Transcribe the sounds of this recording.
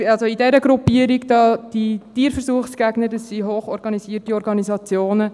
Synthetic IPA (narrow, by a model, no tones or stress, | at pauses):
ɑlsoidɛɾəɡɾupiəɾiɡd̥ɑːd̥itiːɾfəɾsuːəχsɡ̥æɡnədəsːiɦoːχɔɾɡ̥ɑnisiətiɔɾɡɑnizɑt͡sjoːnə